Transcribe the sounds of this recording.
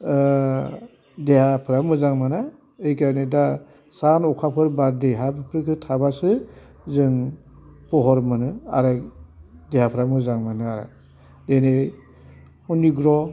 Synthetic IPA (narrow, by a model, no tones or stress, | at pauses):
dehapʰɯɾamɯzaŋmana | ɯjkaneda | sanɔkʰapʰɯɾbaɾdeɦabɯpʰɾɯkʰɯtʰabasɯ | zɯŋ | pɔɦɔɾmɯnɯa̰ɾɯ | dehapʰɯɾamɯzaŋmanɯaɾa̰ | dene | huniɡɾɔ